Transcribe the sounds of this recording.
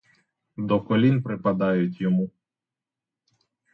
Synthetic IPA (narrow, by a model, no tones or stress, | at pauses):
d̪ɔkɔlʲinpɾɪpɐd̪ɑjʊtʲjɔmu